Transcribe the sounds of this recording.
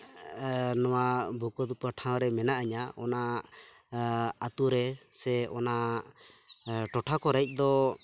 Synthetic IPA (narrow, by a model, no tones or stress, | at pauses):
nɔwabʱukɔd̪upəʈʰãw̃ɾɛmɛnaʔəɲaɔna | at̪uɾɛsɛɔna | ʈɔʈʰakɔɾajc̚ˀd̪ɔ